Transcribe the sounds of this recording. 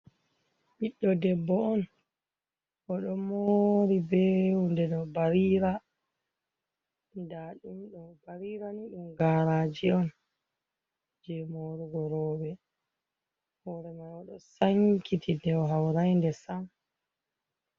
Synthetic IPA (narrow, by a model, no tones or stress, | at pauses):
ʔiɗːɔdɛbːɔɔn | ʔɔɗɔmoɾibɛwundɛɗɔbaɾiːɾa | daɗumɗɔbaɾiɾaniɗumɡaːɾaːd͡ʒiɔn | d͡ʒɛmoɾuɡɔɾɔːwɛ | hɔɾɛmajɔɗɔsaŋkitʰidɛwɦawɾajndɛsam